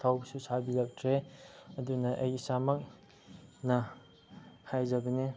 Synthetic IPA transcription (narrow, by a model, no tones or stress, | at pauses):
t̪ʰawbsusabilɐk̚tʰɾeɐdunɐʔɐ̰jsamɐk̚ | nɐ | hajzɐbɐni